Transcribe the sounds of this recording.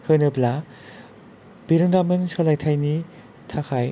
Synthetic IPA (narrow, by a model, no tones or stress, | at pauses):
hɯnɯbla | biɾɯndamɯnsɯlajtʰajni | tʰakʰaj